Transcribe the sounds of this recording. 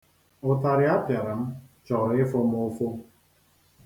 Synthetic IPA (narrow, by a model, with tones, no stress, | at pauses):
ʊ˨ta˨ɾɪ˦a˦pja˨ɾa˨m̩˦t͡ʃɔ˨ɾɪ˦fo˦m˦ʊ˦fo˦